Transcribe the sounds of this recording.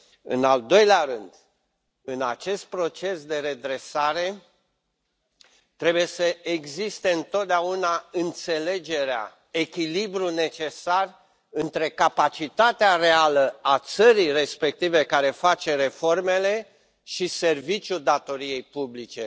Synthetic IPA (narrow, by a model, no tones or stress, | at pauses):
ɨ̰nald̪o̞jleaɾɨnd̪ | ɨnat͡ʃe̞st̪̚pɾo̞t͡ʃe̞sd̪e̞ɾe̞d̪ɾe̞saɾe̞ | t̪ɾe̞buje̞səʔeɡzist̪e̞ɨnt̪o̞t̪̚d̪eaunaɨnt̪se̞le̞d͡ʒe̞ɾea̰ | e̞kʲilibɾune̞t͡ʃe̞sar | ɨnt̪ɾe̞kapat͡ʃit̪at̪eare̞aləat̪səɾijre̞spe̞k̚t̪ive̞kaɾe̞fat͡ʃe̞ɾe̞fo̞rme̞le̞ | ʃise̞rvit͡ʃʲjud̪at̪o̞ɾije̞jpublit͡ʃe̞